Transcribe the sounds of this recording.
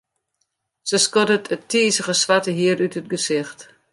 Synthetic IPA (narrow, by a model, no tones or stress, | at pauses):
səskɔdətʰətʰiːzəɣəsʋatəɦiəɾytət̚ɡəzɪxt